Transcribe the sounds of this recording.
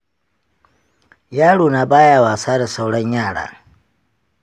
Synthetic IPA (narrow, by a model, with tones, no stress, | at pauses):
jaː˦ɽoː˨naː˨baː˦jaː˨waː˨saː˦da˨sa˦wɽɐ˦ɲjaː˦˨ɽa̰ː˦